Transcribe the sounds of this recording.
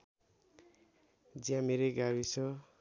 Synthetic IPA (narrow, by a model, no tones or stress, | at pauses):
d͡ziãmeɾeɡawisʰʌ